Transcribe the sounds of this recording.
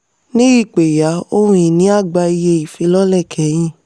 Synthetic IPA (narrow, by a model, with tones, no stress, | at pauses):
nĩ˦i˦˨k͡pe˨ja˨˦o˦ɾũ˧ĩ˨nĩ˨˦a˦˨ɡ͡ba˧i˧je˧i˨fi˧˦lɔ˦lɛ˦˨kʰɛ˨˦j̃ĩ˦